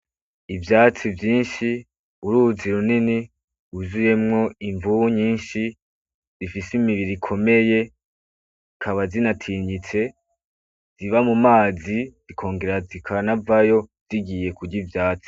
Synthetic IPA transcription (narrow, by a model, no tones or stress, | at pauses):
ivjaːt͡sivjiːnʃi | uɾuziɾunini | uzuje̞mŋo̞iɱvuɲiːnʃi | zifisimiβiɾikʰo̞me̞je̞ | kʰaβazinatʰiːɲit͡se̞ | ziβamumaːzizikʰo̞ːŋɡe̞ɾazikʰanavajo̞z̥iɡije̞kuɟivjaːt͡si̥